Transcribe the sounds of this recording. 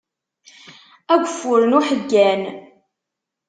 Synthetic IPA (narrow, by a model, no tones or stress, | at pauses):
æɡʷəfːʊɾənuħəɡːæn